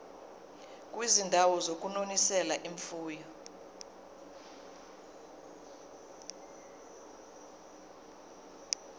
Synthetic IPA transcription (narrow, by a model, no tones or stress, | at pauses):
k̬ʼwizindʱawɔzok̬ʼunonisɛlaʔiɱfuːjɔ